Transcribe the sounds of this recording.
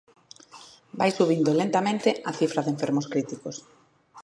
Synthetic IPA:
bajsuβ̞ind̪olent̪amẽnt̪ɪʔɐθifɾɐðeɱfeɾmoskɾit̪ikos

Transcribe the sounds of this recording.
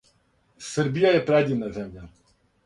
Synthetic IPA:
sɛɾbijajɛpɾɛd̪ʲinazɛmjʲa

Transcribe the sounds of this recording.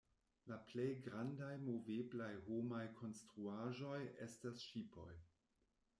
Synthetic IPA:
laplejɡɾandajmoveblajhomajkʰo̞nstɾuaʒo̞je̞stasʃipo̞̰j

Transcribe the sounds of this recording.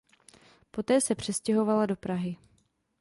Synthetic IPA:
po̞t̪ɛːsɛpr̝̥ɛscɛɦo̞valado̞pɾaɦɪ

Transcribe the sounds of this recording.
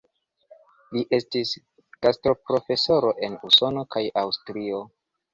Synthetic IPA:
liʔe̞stis | kastɾo̞pɾo̞fe̞so̞ɾo̞ʔe̞nuso̞no̞kʰajawstɾio̞

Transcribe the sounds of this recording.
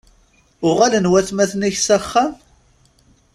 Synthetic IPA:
ʊʁalənwæθmæθniçsæχːæm

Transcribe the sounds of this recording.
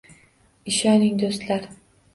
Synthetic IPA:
ɪʃɒnɪŋd̪ost̪laɾ

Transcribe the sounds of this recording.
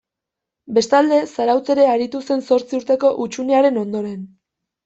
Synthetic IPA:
be̞st̪ald̪e̞saɾawt͡se̞ɾe̞aɾit̪use̞nso̞ɾt͡siuɾt̪e̞ko̞ʔut͡ʃuneaɾe̞no̞nd̪o̞ɾe̞n

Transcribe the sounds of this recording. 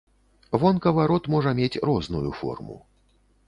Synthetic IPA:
vɔnkɐvaɾɔt̪mɔʐɐmʲet͡sʲrɔznujufɔ̰rmṵ

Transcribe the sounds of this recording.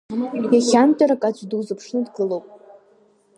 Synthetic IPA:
jaχʲamtʼaɾakʼad͡ʒʷʼdɨwzɨpʰʂnɨdɡɨlowpʼ

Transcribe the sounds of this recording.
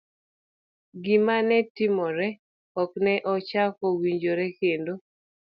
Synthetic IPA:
ɡɪmanɛtɪmɔɾɛ | ɔknɛʔɔt͡ʃakɔwiɲd͡ʒoɾɛkendo

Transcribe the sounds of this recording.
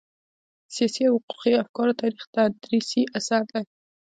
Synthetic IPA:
sijɑsiawhʊqu̥qiafkɑɾat̪ɑɾixt̪ad̪ɾisiʔasaɾd̪aj

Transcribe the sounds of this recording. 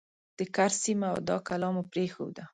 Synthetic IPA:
d̪̥əkaɾsimaa̰wd̪ɑ̰kalɑmopɾexo̰wd̪a

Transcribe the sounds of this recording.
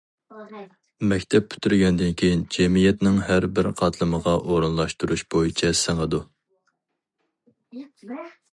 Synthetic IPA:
mɛkʲt̪ʰɛp̚ːʰy̥t̪ʰyɾɡʲɛnd̪ɪnkʲʰejind͡ʒɛmijɛt̪nɪŋhæɾbɪɾqʰɑt̪ʰlˠɨməʁɑʔoɾunlˠɑʃt̪uɾuʃb̥ojit͡ʃʰɛsɪŋəd̪u

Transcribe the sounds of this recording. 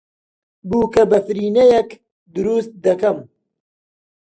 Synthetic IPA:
buːkɐbɐfɨɾiːnejɛk | d̪uɾust̪̚d̪ɐkɐm

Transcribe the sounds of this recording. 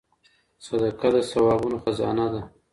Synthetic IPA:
sad̪akad̪əsawɑbunoxazɑ̰nad̪a

